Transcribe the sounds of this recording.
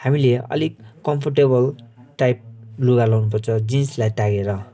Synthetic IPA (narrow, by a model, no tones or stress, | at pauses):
hamileʌ̰likːʌmpʰʌrʈeβʌlʈajp̚luɡalʌwnupʌrt͡sʰʌd͡zinslajtaɡeɾʌ